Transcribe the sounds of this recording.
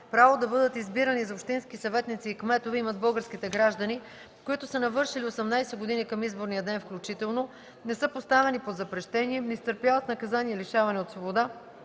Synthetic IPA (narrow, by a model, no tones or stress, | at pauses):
pɾavod̪ɐbɤd̪ət̪izbiɾənizɐopʃt̪inskisɐvɛt̪nit̪siːkmɛt̪ovɛimɐd̪bɤlˠɡəɾskʲit̪ɛɡɾaʒd̪ɐni | koit̪ʊsɐnɐvɤɾʃiliosɛmnajsɛɡod̪inikɐmizboɾnijəd̪ɛnfklʲut͡ʃit̪ɛlˠno | nɛsɤpost̪avɛnipod̪zɐpɾɛʃt̪ɛniɛnist̪əɾpjavət̪nɐkɐzaniɛliʃavɐnɛot̪svobod̪a